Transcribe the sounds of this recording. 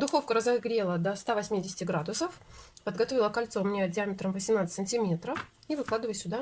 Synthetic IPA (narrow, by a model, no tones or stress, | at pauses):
d̪ʊxo̞fkəɾəzɐɡɾʲe̞lˠəd̪ɐst̪avɐsʲmʲidʲɪsʲɪ̥tʲɪɡɾad̪ʊsəfpəd̪ɡɐt̪o̞vʲɪlˠəkɐlʲt̪somnʲedʲɪamʲɪt̪ɾəmvəsʲɪmnat̪sə̥tʲsənʲtʲɪmʲe̞t̪ɾəf | ivɨklˠad̪ɨvəjsʲʊd̪a